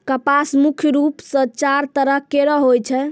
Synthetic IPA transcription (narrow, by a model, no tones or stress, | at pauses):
kəpasmukʰjɾupsə̃t͡ʃaɾt̪əɾəɦkeɾəɦojt͡ʃʰɛ